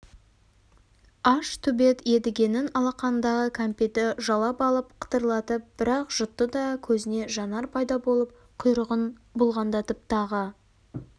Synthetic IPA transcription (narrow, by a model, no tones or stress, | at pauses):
ɑʃt̪ʰʏbe̞t̪e̞d̪ɪɡʲe̞nɪnɑlˠɑqɑnənd̪ɑʁəkʰampʲet̪ɪʒɑlˠɑpɑlˠəpqʰə̥t̪əɾlˠɑt̪əp̚b̥ɪɾɑqʒ̥ʊt̪ːəd̪ɑkʲʰɵzɪne̞ʒɑnɑɾpʰɑjd̪ɑbo̞lˠəp̚ | qʰʊjɾəʁənbʊlˠʁɑnd̪ɑt̪ʰɪp̚t̪ʰɑʁə